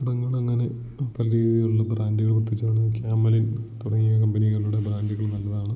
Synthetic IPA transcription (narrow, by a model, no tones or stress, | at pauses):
iɽɐŋːɐɭɐŋːɐne̞ | pɐlɐɾiːðijonːɨbɾaːndiɣɐɭbrt̪ʰːit͡ɕːɐnɐnkjaːmːɐlint̪uɽɐŋːijɐkɐmbɐniɣɐɭuːɽebɾaːndiɣɐɭnɐlːɐðaːɳɨ